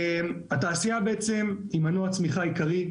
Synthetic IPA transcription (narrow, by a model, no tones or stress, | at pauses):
mat̪aːsiabeet͡se̞mimanuat͡smiχaikaʁi